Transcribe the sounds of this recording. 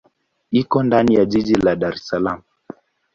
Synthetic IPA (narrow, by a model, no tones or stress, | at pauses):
ikɔndanijaʄiʄilaɗaɾɛsalam̩